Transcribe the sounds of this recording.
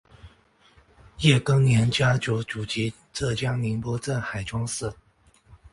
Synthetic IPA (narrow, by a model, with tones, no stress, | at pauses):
jɛ˥˩kɤ˥ŋnjɛ˧˥nt͡ɕja˥t͡ɕjo˧˥ʊʈ͡ʂu˨˩t͡ɕi˧˥ | ʈ͡ʂɤ˥˩t͡ɕja˥ŋli˧˥ŋpwɔ˥ʈ͡ʂə˥˩nxa˨˩ɪʈ͡ʂwɑ˥ŋsɹ̩˥˩